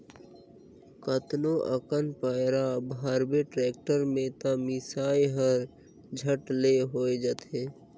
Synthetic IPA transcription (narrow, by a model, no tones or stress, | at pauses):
kət̪noʔəkənpəɪɾabʱaːɾbeʈɾeːk̚ʈəɾmẽt̪amɪsaːjɦəɾ | d͡ʒʱəʈleɦoːed͡ʒət̪eː